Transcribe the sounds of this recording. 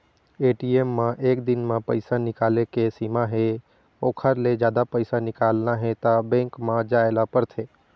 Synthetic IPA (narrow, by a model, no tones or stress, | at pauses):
eːʈiemːãʔeːk̚d̪ɪnmãpəɪsanɪkaːlekesimaɦe | oːkʰəɾled͡ʒjaːd̪apəɪsanɪkaːlnaɦɛt̪abɛ̃ːŋkmãd͡ʒaːelapəɾt̪ʰeː